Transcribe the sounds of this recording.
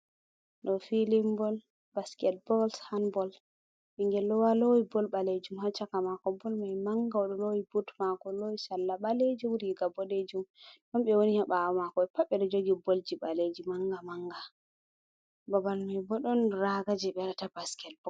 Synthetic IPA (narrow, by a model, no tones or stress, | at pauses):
ɗɔfilimbɔl | baskɛl̚bɔlshanbɔl | ɓiŋɡɛlɔwalowibɔlbaled͡ʒumhat͡ʃːakamakɔbɔlmajmaŋɡawɔɗɔlowibutmakɔlowisalːaɓaled͡ʒiwuɾiɡabɔɗed͡ʒumnɔmɓɛwonihaɓaɔmakɔɛpaɓːɛɗɔd͡ʒoɡibold͡ʒiɓaled͡ʒimaŋɡamaŋɡa | babalmajbɔɗɔnɾaɡad͡ʒiɓɛɾatabaskɛl̚b̥ɔ